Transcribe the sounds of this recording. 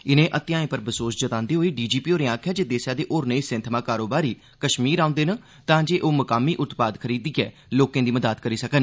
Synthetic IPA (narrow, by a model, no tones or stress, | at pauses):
ɪnẽːʔət̪ɪjãːẽːpəɾbəsoːsd͡ʒət̪ãːnd̪iːɦoːiːɖiːd͡ʒiːpiːoːɾẽãːkʰjaːd͡ʒeːd̪eːsjaːd̪eːʔoːɾneːsɪ̃nt̪ʰmãːkaːɾoːbaːɾiː | kəʃmiːɾãːʊ̃nd̪eːnə | t̪ãːd͡ʒeːʔoːməkaːmiːʔʊt̪paːd̪kʰəɾiːd̪iːɛ̰ː | loːkẽːd̪iːməd̪aːt̪kəɾiːsəkən